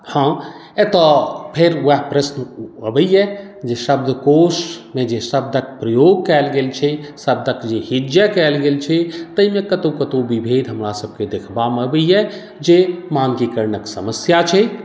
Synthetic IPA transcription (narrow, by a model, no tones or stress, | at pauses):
hã | et̪əpʰeɾəɦpɾəsnəbəjɛ | d͡ʒeʃəbd̪ʱəkosmẽd͡ʒeʃəb̚d̪ʱək̚pɾəjoɡkɛlɡelt͡ʃʰɛsəb̚d̪ʱəkd͡ʒeɦid͡ʒjəkɛlɡelt͡ʃʰɛt̪əimekət̪okət̪obibʱed̪ʱɦəmɾasəb̚ʱked̪ekʰbaməbəjjɛ | d͡ʒemankikəɾnəksəməsjat͡ʃʰɛ